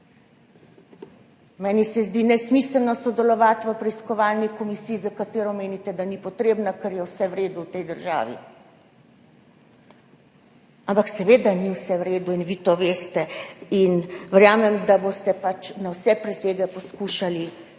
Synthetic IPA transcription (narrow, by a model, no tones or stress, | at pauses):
mɛːnisɛzd̪inɛsmisəlnɔsɔd̪ɛlɔʋat̪ʋəpɾɛiskɔʋalnikɔmisiːjizakat̪eːɾɔmeːnit̪ɛd̪anipɔt̪ɾeːbnakɛɾjɛwsɛwɾeːd̪uwt̪ɛjd̪əɾʒa̰ːʋḭ | ampaksɛʋeːd̪aniwsɛwɾeːd̪uinʋit̪oʋeːst̪ɛinʋəɾjaːmɛmd̪abost̪ɛpat͡ʃnawsɛpɾɛt̪eːɡɛposkuːʃali